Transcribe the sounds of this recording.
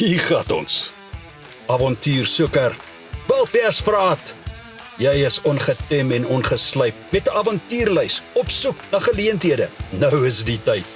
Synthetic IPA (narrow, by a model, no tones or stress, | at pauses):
ɦiːχɐtɔ̰ns | ɐvɔntyːrsukər | vɛlˠpɛsfrɑːt | jɛjəsɔnχətɛmɛnɔnχəsləjp̚mɛtəʔɐvɑntyːrləjsɔpsuknɐχəliəntɦiədənəwəsditəjt̚